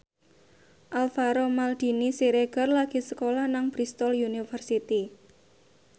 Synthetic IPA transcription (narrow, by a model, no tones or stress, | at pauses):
ʔalfaɾɔmald̪̥i̤nisiɾeɡ̥ərlaɡ̥i̤səkolahnaŋb̥ɾist̪ɔlunifərsit̪i